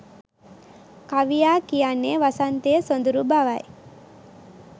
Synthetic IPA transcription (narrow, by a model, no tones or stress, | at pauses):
kaʋijaːkijanːeʋasant̪eːsond̪uɾubaʋaj